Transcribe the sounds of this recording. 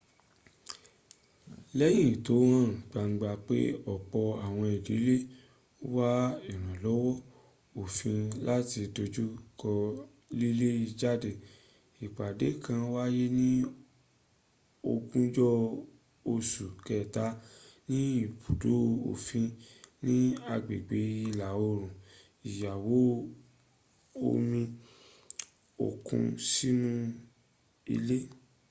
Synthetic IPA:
lɛ˦j̃ĩ˦˨to˨˦wã˦˨ɡ͡ba˨ŋ̩˧ɡ͡ba˧k͡pḛ˦ɔ˦˨k͡pɔ˧a˨w̃ɔ̃˧i˨di˨˦le˦ | wa˦i˨ɾ̃ã˨lɔ˨˦wɔ˦ | o˨fĩ˧la˦ti˧do˧d͡ʒu˦kɔ˧ | li˦le˦i˧d͡ʒa˦˨de˨ | i˨k͡pa˨de˨˦kã˧wa˦je˦nĩ˦ | o˧kũ˦d͡ʒɔ˦ | o˧su˨kɛ˨ta˨˦nĩ˦i˦˨pu˨do˨˦o̰˨fĩ˧nĩ˦a˧ɡ͡be˨ɡ͡be˨˦i˧la˨˦o˧˦ɾ̃ũ˨ | i˨ja˨wo˨˦ | o̰˧mĩ˧ | o̰˨kṵ̃˧si˦nũ˦ | ḭ˧le˦

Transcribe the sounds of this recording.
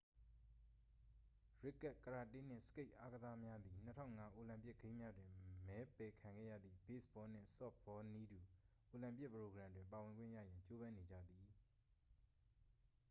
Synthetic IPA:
ɹɪ˦˨kːa˦˨ʔkəɹa˨tɪ̃˦n̥ɪ̰̃˦˨sə̥ke˦ɪʔa˦ɡəza˦mja˦d̪i˨n̥ətʰã̰˦˨ŋa˦ʔo˨lã˨mpjɪ˦ʔɡ̥ẽ˦ɪ̃mja˦dwɪ̃˨mɛ˨˦pɛ˨kʰã˨ŋɡɛ̰˦jä̰˦˨d̪ðḭ˦˨bḛ˦˨sbɔ˦˨n̥ɪ̰̃˦˨sɔ̰˦˨ɔ˦ni˦du˨ʔo˨lã˨mpɪ˦ʔpəɹo˨ɡɹã˨ndwɪ̃˨mpa˨wɪ̃˨ŋɡwɪ̰̃˦˨jä̰˦˨jã˨ɲt͡ɕo˦βã˦ne˨d͡ʑä̰˦˨d̪i˨

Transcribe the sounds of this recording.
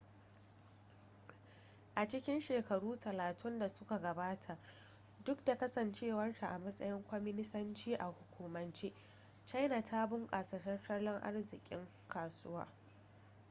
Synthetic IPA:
ʔa˨t͡ʃɪ˦kʲɪ˦nʃeː˨kɐ˨ɽuː˦tʰɐ˨laː˨tʰʊ˦nda˨sʊ˦ka˨ɡɐ˨baː˦tʰa˨ʔ | dʊ˦k̚da˨kɐ˦sɐ˨nt͡ʃeː˦wɐ˦rta˨ʔa˨mɐ˦sʼɐ̰˦jɪ˦ŋkʷɔ˦mɪ˦nɪ˦sɐ˦nt͡ʃiː˦ʔa˨hʊ˨kʷuː˨mɐ˨nt͡ʃeː˦ | t͡ʃa˦jna˨tʰaː˦bʊ˦ŋkʼaː˨sɐ˨tɐ˦rtɐ˦lɔ˦ŋʔa̰˦rzɪ˨kʲʼɪ̰˦ŋ | kʰaː˨sʊ˦wa̰ː˦

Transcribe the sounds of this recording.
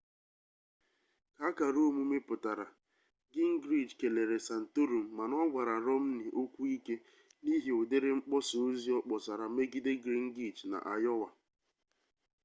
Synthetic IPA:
ka˨˦ka˨ɾo˦o˦mu˦me˦pʊ˨ta˨ɾa˨ | ɡɪ˦ŋ̩˦ɡɾi˦˨d͡ʒke˨le˨ɾe˨sa˨n̩˨to˦ɾu˨m̩˨ma˨nɔ˦ɡʷa˨ɾa˨ɾɔ˦m̩˦nɪ˨ʔo˦kʷu˦i˦ke˦ | ni˦ɦi˨ʊ˨de˦ɾɪ˦ŋ͡m̩˦k͡pɔ˦so˨˦zi˦ɔ˦k͡pɔ˨sa˨ɾa˨me˦ɡi˦de˦ɡɾi˦ŋ̩˦ɡi˦t͡ʃna̰˨ʔa˨jɔ˦wa˨

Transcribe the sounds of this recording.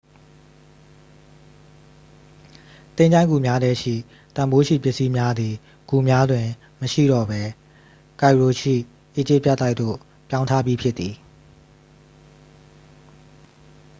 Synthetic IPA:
t̪ẽ˦ɲd͡ʑã˦ɪ̃ŋɡu˨mja˦dɛ˦ʃḭ˦˨ | t̪ã˨mbo˦ʃḭ˦˨pjɪ˦ʔsi˦mja˦d̪i˨ | ɡ̥u˨mja˦dwɪ̃˨ | məʃḭ˦˨dɔ˦˨bɛ˦ | ka˨ɪɹo˨ʃḭ˦˨ | ʔe˦˨d͡ʑɪ˦ʔpja˦ʔt̪ːa˦ɪʔt̪o̰˦˨ | pjã˦ʊ̃ntʰa˦bji˦pʰjɪ˦t̪ːi˨

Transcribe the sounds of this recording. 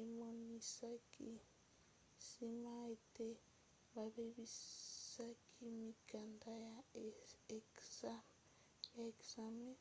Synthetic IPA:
e˦mo˨ni˨sa˦ki˦ | si˦ma˦e˨te˦ | βa˨βe˦βi˦sa˦kʰi˦mi˨ka˨nda˦ | ja˨e˨ksa˦me˦

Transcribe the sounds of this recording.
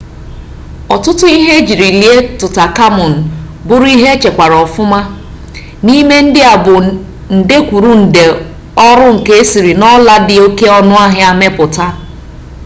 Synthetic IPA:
ɔ˨tʊ˦tʊ˦i˦ɦe˦d͡ʒi˨ɾi˨li˦e˦tʊ˨ta˨ka˦mʊ˨n̩˨ | bʊ˦ɾʊ˦i˦ɦe˦t͡ʃe˨kʷa˨ɾɔ˨fʊ˦ma˦ | ni˦me˦n̩˦dɪ˦a˨bʊ˨ | n̩˨de˦kʷu˨ɾu˦n̩˨de˨ | ɔ˦ɾʊ˦ŋ̩˨ke˦e˦si˨ɾi˨nɔ˦la˦dɪ˦o˦ke˦ɔ˦nʊ˦a˦ɦɪ˦a˦me˦pʊ˨ta˦

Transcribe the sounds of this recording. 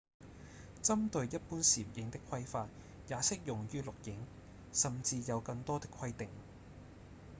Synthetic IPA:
t͡sɐ˥mt̪ɵ˨˧ɥjɐ˥t̚puː˥nsiː˨˩p̚jɪ˨˥ŋt̪ɪ˥kʰːɐ˥jfaː˧t̚ | jaː˨˥sɪ˥k̚jʊ˨˩ŋjyː˥lʊ˨k̚jɪ˨˥ŋ | sɐ˨mt͡siː˧jɐ˨˧wkɐ˧ŋt̪ɔː˥t̪ɪ˥kʰwɐ˥jt̪ɪ˨ŋ

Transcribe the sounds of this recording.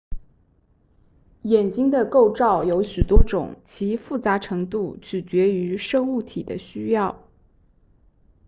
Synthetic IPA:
jɛ˨˩nt͡ɕi˥ŋd̪ə˨ko˥˧ʊʈ͡ʂɑ˥˩ʊjo˧˥ʊɕy˨˩t̪wɔ˥ʈ͡ʂʊ̰˨˩˦ŋt͡ɕʰi˧˥fu˥˩t͡sa˧˥ʈ͡ʂʰɤ˧˥ŋt̪u˥˩t͡ɕʰy˨˩t͡ɕɥɛ˧˥y˧˥ʂɤ˥˧ŋu˥˩t̪ʰḭ˨˩d̪ə̰˦ɕy˥jɑ˥˩ʊ

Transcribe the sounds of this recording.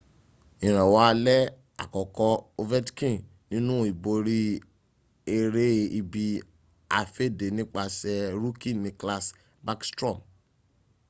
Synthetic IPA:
ĩ˨ɾ̃ã˨wa˨˦a˧lɛ˦ | a̰˨kɔ˨kɔ˧o˧vɛ˦tkĩ˦˨ | nĩ˦nũ˦i˨bo˧ɾi˦ | e˧ɾe˦i˧bi˧ | a˧fe˦de˨nĩ˦k͡pa˧sɛ˧ɾu˦kĩ˦˨nĩ˧kla˧s | ba˦kstɾɔ̃˦˨m

